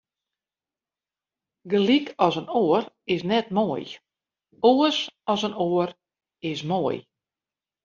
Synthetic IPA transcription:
ɡəlikʰɔsənoər | ɪsnɛt̚moəj | oəsɔsənoər | ɪsmoəj

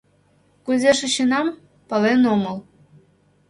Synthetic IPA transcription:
kuzʲeʃɘ̆ɕinɑm | pɤlenomɤ̆lˠ

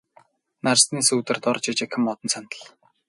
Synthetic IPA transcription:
narsniːsuːt̪ɘ̆rt̪ɔrt͡ɕit͡ɕekʰɪ̆mːɔt̪ɞ̆nsant̪ə̆ɮ

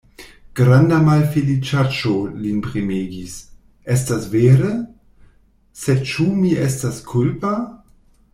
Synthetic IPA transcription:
ɡ̥ɾandamalfelit͡ʃat͡ʃolinpʁimeːɡis | ʔɛstasveːɾə | set͡ʃumiɛstaskʰulpa

